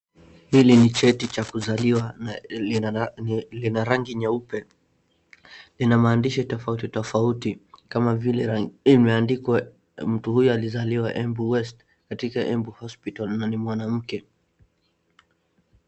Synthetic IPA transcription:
hilinit͡ʃɛtit͡ʃakuzaliwa | linaɾaŋɡiɲaupɛ | linamaːndiʃitɔfautitɔfautikamavilɛimɛandikwa | m̩tuhujɔalizaliwaʔɛmbuwɛst | katikaʔɛmbuhɔspitalnanimwanam̩kɛ

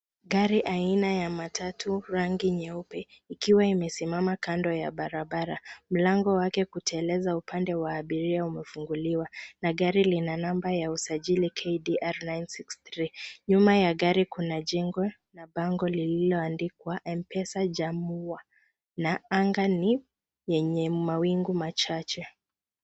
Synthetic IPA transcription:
ɡaɾiʔainajamatʰatʰuɾaŋɡiɲɛupɛikiwaimɛsimamakandɔja̰ɓaɾaɓaɾam̩laŋɡɔwakɛkutɛɛlɛzaupandɛwaːɓiɾiaumɛfuŋɡuliwanaɡaɾilinanambajausaʄilikʰejdiʔaɾnajnsiksθɾiɲumajaɡaɾikunaʄɛŋɡɔ | naɓaŋɡɔlililɔandikwaʔɛmpɛsaʄamua | naaŋɡani | jɛɲɛmawiŋɡumat͡ʃat͡ʃɛ

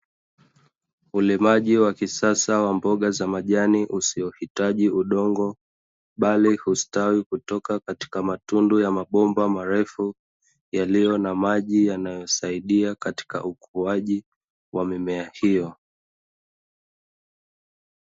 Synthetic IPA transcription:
ulɛmaʄiwakisasawambɔɠazamaʄaniʔusiɔhitaʄiuɗɔŋɡɔ | ɓalihustawikutɔkakati̥kamatundujamaɓɔmbamaɾɛfu | jalijɔnamaʄijanajɔsaiɗiakati̥ka̰ʔukuaʄi | wamimɛahijɔ

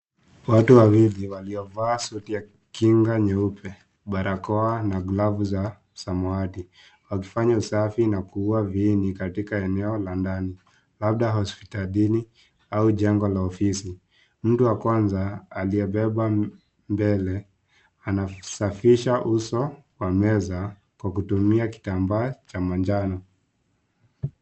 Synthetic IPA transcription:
watuwawiliwaliɔvaːsuutija | kiŋɡaɲɛupʰɛ | ɓaɾʔakɔanaɡlavuza | samɔati | wakifaɲausafinakuuaviːnikatikaɛnɛɔlandani | lab̚ɗaɦɔspi̥talini | auʄɛŋɡɔlaɔfisi | m̩tuwakwanzaːliɛɓɛɓa | mbɛlɛ | anasafiʃaʔusɔwamɛza | kwakutumiaki̥tambaːt͡ʃamand͡ʒanɔ

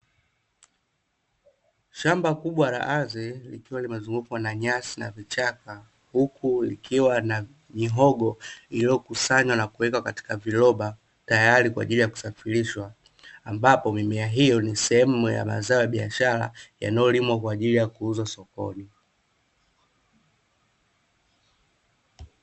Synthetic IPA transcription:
ʃambakuɓwala̰ʔazɛlḭkiwalimazuŋɡukwanaɲasinavit͡ʃaka | hukʰulikʰiwana | ɲiɦɔɠɔilijɔkusaɲwanakuwɛkakati̥kavilɔɓa | tajaɾikwa̰ːʄilijaku̥safiɾiʃwaː | mbapɔmimɛaɦijɔnisɛhɛmuja̰ma̰zaɔjaɓiaʃaɾa̰ja̰najɔlimwakwaːʄilijakuuzwasɔkɔ̰ni

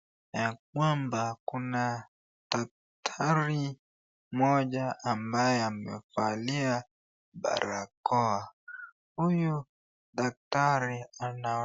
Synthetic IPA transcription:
nak̚wambakuna | ɗak̚ | tʰaɾi | mɔʄaʔːmbajɛamɛfalia | ba̰ɾakɔa | huju | ɗak̚taɾiana

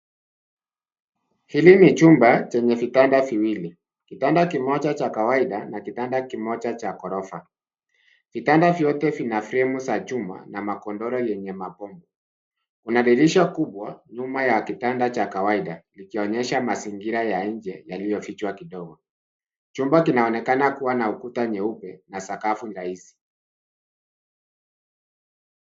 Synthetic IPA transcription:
hilinit͡ʃumbat͡ʃɛɲɛvitandaviwili | kitandakimɔt͡ʃat͡ʃakawaiɗanakitandakimɔt͡ʃat͡ʃakɔɾɔfa | vitandavjɔtɛvinafɾɛmusat͡ʃuma̰namakɔndɔɾɔjɛɲɛmapɔmbɔ | unaɗiɾiʃakuɓwaɲumajakitandat͡ʃakawaiɗalikiɔɲɛʃamasiŋɡiɾajaɲ̩d͡ʒɛjalijɔfit͡ʃwakiɗɔɡɔ | t͡ʃumbakinaɔnɛkanakuwanaukutaɲɛupɛnasakafuɾaisi̥

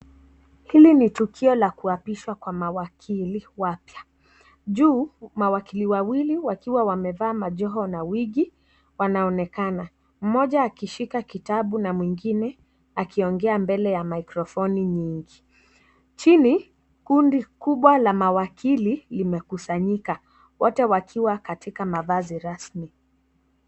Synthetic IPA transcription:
hilinitukʰiɔlakuapiʃwakwamawakʰiliwapja | ʄuːmawakiliwawiliwakiwawamɛvaːmaʄɔɦɔnawiɠi | wanaɔnɛkana | m̩mɔʄaːkiʃikakitaɓunamwiŋɡinɛ | akiɔŋɡɛambɛlɛjamaikɾɔfɔniɲiŋɡi | t͡ʃini | kundikuɓwalamawakililimɛkusaɲika | wɔtɛwakʰiwakatʰikamavaziɾasmi

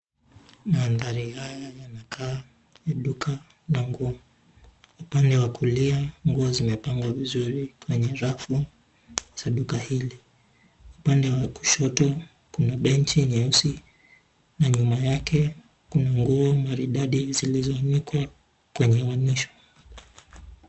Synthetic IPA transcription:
maːnðaɾihajajanakʰaː | jaɗuka | naŋɡuɔ | upandɛwakuliaŋɡuɔzimɛpaŋɡwavizuɾikwɛɲɛɾafu | z̥aɗukahili | upandɛwaku̥ʃɔtɔ | kunaɓɛntiɲɛusi | naɲumajakʰɛ | kunaŋɡuɔmaɾiɗaɗizilizɔnikwa | kwɛɲɛwaniʃɔ̥

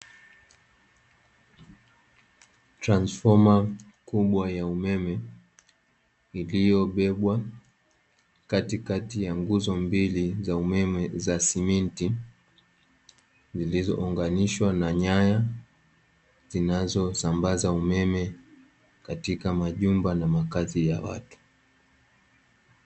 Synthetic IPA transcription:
tɾansfɔma | kuɓwajaumɛmɛ | ilijɔɓɛɓwa | katikatijaŋɡuzɔmbilizaumɛmɛzasiminti | zilizɔ̰ʔuŋɡaniʃwanaɲaja | zinazɔsambazaumɛmɛ | katikamaʄumbanamakazija̰wa̰tu̥

